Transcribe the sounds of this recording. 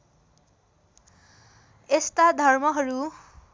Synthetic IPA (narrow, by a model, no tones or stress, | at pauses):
est̪ad̪ʱʌrmʌɦʌɾu